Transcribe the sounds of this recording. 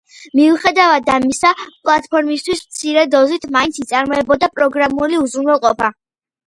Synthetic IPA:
miuχɛd̪avad̪amisapʼlˠat̪ʰʼpʰɔɾmist̪ʰwismt̪sʰiɾɛd̪ɔzit̪ʰmaint̪sit̪sʼaɾmɔɛbɔd̪apʼɾɔɡɾamuliuzɾunwɛlˠqʼɔpʰa

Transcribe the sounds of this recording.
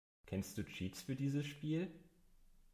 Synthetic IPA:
kʰɛnst̚d̥uːt͡ʃiːtsfyːɐdiːzəsʃpiːl

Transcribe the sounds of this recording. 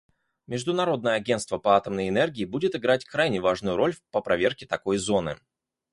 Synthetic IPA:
mʲɪʐd̪ʊnɐɾo̞d̪nəjəɐɡʲent̪st̪vəpəat̪əmnəjɪnɛrɡʲɪːbudʲɪt̪ɪɡɾatʲkɾajnʲɪvaʐnʊjʊɾo̞lʲpəpɾɐvʲe̞rkʲɪt̪ɐko̞jzo̞nɨ̰

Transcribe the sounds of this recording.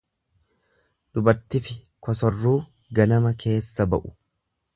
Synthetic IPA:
d̪̥ʊbɐɾt̪ɪfɪ | kʰɔsɔrːuː | ɡɐnɐmɐkʰe̞ːsːɐbɐʔʊ̥

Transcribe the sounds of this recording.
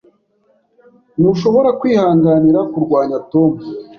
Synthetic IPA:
nuʃo̞βo̞ɾakwiːhaːŋɡaniɾakuɾɡwaːɲato̞mu

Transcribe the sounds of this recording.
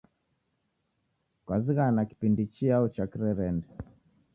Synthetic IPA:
kwaziɣanaki̥pindit͡ʃiaut͡ʃakiɾɛɾɛndɛ

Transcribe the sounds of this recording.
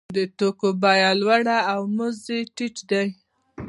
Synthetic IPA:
d̪ət̪okobɑjalwaɽaːwmʊzeʈit͡ʃd̪aj

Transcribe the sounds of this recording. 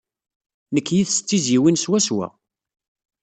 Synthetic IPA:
nəkːjiθst͡sːizjiwinswæswæ̰

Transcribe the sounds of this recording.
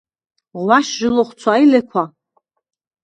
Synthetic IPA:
waʃʒɪloχʷt͡sʰajlekʷʰa

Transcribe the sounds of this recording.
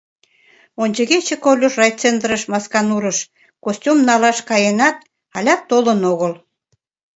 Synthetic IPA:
onʲt͡ɕəɣet͡ɕekolʲuʃrɑjt͡send̪əɾəʃmɑskɑnuɾəʃ | kosʲtʲumnɑlɑʃkɑjenɑt̪̚ | ɑlʲɑt̪ːolənoɣəl

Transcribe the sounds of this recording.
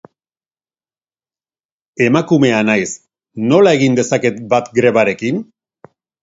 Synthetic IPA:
e̞makume̞anajs | no̞lae̞ɣind̪e̞sake̞t̪bat̪ɡɾe̞βaɾe̞kin

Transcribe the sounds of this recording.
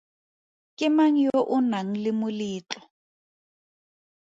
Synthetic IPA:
kʼɪmaŋ̩joʔʊnaŋ̩lɪmʊliːt͡ɬʼɔ̥

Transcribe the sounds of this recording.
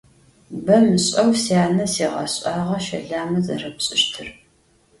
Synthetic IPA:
bɐmɨɕʼɐwsijaːnɐsiːʁɑ̰ɕʼɑːʁɐʃɐ̰ɮaːmɐzɐ̰rɐpɕʼɪʃtʰɨr

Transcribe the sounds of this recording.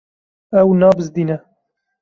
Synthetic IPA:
ɛwnɑːbɨzd̪iːnɛ

